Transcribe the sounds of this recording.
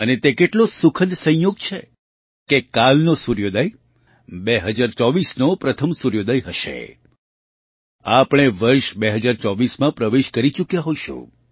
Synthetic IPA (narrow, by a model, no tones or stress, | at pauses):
ənet̪ekeʈlosukʰəd̪sə̃j̃joɡ̚t͡ʃʰe | kekalnosuɾjod̪əj | beɦəd͡ʒaɾt͡ʃɔʋisnopɾət̪ʰəmsuɾjod̪əjɦəʃḛ | apɽ̃eʋəɾʃbeɦəd͡ʒaɾt͡ʃɔʋismãpɾəʋeʃkəɾit͡ʃukjaɦojʃṵ̃